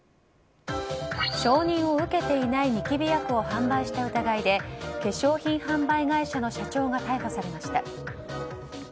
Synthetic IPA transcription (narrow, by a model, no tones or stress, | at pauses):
ɕo̞ːɲ̟ĩɰ̃o̞ɯ̟ke̞t̪e̞inaiɲʲikʲibʲijakɯ̟o̞hãmbaiɕi̥t̪aɯ̟t̪aɡaid̪e̞ke̞ɕo̞ːçĩɰ̃hãmbaiɡaiɕano̞ɕat͡ɕo̞ːɡat̪aiɦo̞saɾe̞maɕi̥t̪a